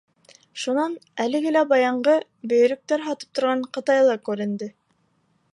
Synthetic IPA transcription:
ʃunɑnælɘ̆ɡɘlæbɑjɑɴɢɤ | bɵ̆jɵ̆ɾɘ̆k̚t̪æɾɦɑt̪ɤ̥p̚t̪ŏɾʁɑɴqɤ̆t̪ɑjlˠɑkʉɾɘ̆nd̪ɘ

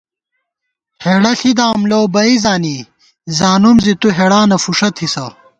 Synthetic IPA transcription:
heːɽɐɬid̪aːmlowbɐizaːni | zaːnumzit̪uɦeɽaːnɐfuʂɐt̪ʰisɐ

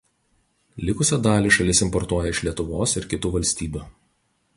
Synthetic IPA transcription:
lʲɪkʊsʲoːd̪ɑːlʲiːˑʃɐlʲɪsɪmpɔɾt̪uɔjɛɪʃlʲiɛt̪ʊʋoːsɪɾkʲɪt̪uʋɐlʲsʲt̪ʲiːbʲuː

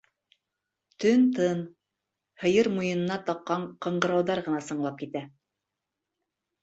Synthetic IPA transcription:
t̪ɵnt̪ɤn | hɤ̆jɤɾmujɤ̆nɤ̆nɑt̪ɑqːɑɴqɤ̆ɴɢɤ̆ɾɑwðɑɾʁɤ̆nɑsɤ̆ɴlˠɑp̚kit̪æ

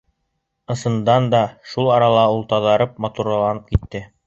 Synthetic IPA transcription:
ɤ̆sɤ̆nd̪ɑnd̪ɑʃulˠɑɾɑlˠɑulˠt̪ɑðɑɾɤp̚mɑt̪uɾɑlˠɑnɤp̚kit̪ːɘ

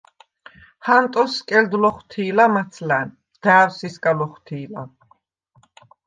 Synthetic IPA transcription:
hant̪ʼɔskʼɛld̪lɔχwt̪ʰiːlamat̪sʰlæn | d̪̥æːwsiskʼalɔχt̪ʰiːla

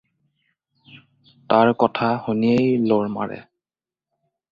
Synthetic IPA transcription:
taɹkɔtʰahoniejloɹma̰ɹɛ̰

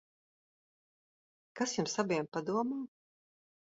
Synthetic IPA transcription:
kasjumsabʲijɛmpad̪uɔmaː

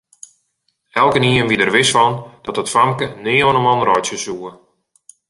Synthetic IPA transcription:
ɛlˠkəniənʋidərʋɪsfɔnd̥ɔtətfamkənɪəoənəmɔnrɔjsjəsuə

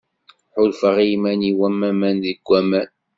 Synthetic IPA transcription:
ħʊlfəʁimæniwæmːæmænðəɡʷːæmæn

